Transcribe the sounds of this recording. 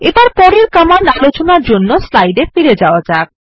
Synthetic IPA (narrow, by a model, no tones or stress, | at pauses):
ebaɾpɔɽeɾkamanalot͡ɕonaɾd͡ʑonːoslajɖefiɾed͡ʑaoad͡ʑak̚